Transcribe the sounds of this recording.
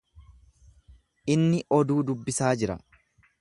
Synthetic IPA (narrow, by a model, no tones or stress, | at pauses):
ʔɪnːɪʔɔd̪uːd̪ʊbːɪsaːd͡ʒɪɾɐ